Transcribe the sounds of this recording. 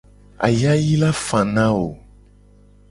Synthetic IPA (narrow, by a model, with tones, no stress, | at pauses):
a̰˨ja˦ji˦la˦fã˨nã˦wo˨